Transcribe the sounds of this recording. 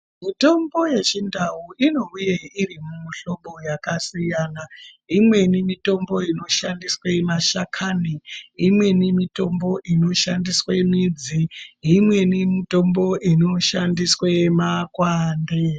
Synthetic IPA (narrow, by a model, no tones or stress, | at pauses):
mito̞mbo̞je̞t͡ʃindauʔino̞ujeirimumuɬo̞ɓo̞jakasijaːna | imwe̞nimito̞mbo̞ino̞ʃandiswemaʃakʰaniimwe̞nimito̞mbo̞ʔino̞ʃandiswemid͡ziimwe̞nimito̞mbo̞ʔino̞ʃandiswemakwaːnde